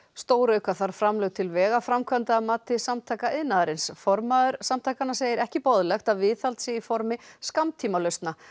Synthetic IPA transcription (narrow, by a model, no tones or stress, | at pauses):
st̪oːwɾœɥkaθaɾ̥fɾamlœɣt̪ʰɪlvɛːɣafɾamkʰvant̪aːmaːt̪ɪsamt̪ʰaːkaɪðnaðaɾɪnsfɔɾmaðʏɾ̥samt̪ʰaːkanːaseːjɪɾɛhcɪpɔðlɛxt̪aðvɪθalt̪sɪifɔɾmɪskamt̪ʰiːmalœɥst̪na